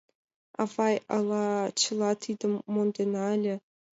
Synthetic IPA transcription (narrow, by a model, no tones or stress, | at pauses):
ɑ̰vɑjɑ̰lˠɑt͡ɕɤlˠɑt̪ʰid̪ə̆mːond̪enɑlʲĕ